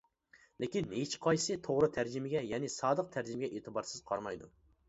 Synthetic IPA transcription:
lɪkʲinet͡ʃʰi̥qʰɑjsɨt̪ʰoʁɾɨt̪ʰæɾd͡ʒɪmɪɡʲɛjɛnɪsɑːd̪əq̚t̪ʰæɾd͡ʒɪmɪɡʲɛʔeːt̪ʰɨbɑɾsɨz̥qʰɑɾmɑjd̪ṵ

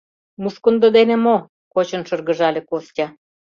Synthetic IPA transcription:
muskŏnd̪ɤ̆d̪enĕmo | kot͡ɕɤ̆nʃɤ̆rɣɤ̆ʒɑlʲĕkostʲɑ

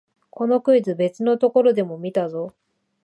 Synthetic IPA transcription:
kʰo̞no̞kɯ̟izɨbe̞t͡sɨno̞t̪o̞ko̞ɾo̞d̪e̞mo̞mʲit̪azo̞

